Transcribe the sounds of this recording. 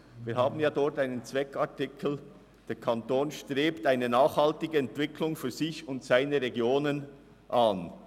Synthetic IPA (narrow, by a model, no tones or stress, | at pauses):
viːɦaːbn̩jaːdɔɹtaɪnənt͡svɛkʰɑɹtɪkʰl̩ | d̥eːkʰɑntoːnʃtʁeːptaɪnənaːχhɑltɪɡəɛntvɪkʰlʊŋfyːz̥ɪçʊntsaɪnəɾeɡjoːnən | ʔan